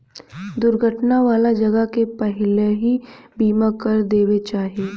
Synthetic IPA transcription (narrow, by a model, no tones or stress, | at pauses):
d̪ʊɾɡʱəʈnaʋaːlad͡ʒɐɡəkepɛɦɪleɦibiːmakəɾd̪eːwet͡ʃaːɦieː